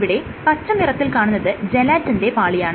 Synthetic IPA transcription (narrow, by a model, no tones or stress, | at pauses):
ʋiɽe̞ | pɐt͡ɕːɐmirɐt̪ːilkaːɳunːɐðɨd͡ʑelaːtːinde̞paːɭijaːɳɨ